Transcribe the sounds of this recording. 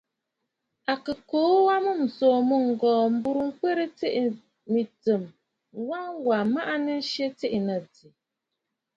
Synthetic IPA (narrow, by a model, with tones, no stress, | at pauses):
a˨kə˨koː˨˦wa˦mɨ˦m̩˨soː˨mə˦ŋ̩˨ɡɔː˨m̩˦bu˦ɾu˦ŋ̩˦ke˦ɾə˦te˦ʔi˨ | mi˨tə˨m | wa˦ŋwa˨ma˦ʔa˦nɛ˦ʃe˦ti˦ʔi˨nə˨di˨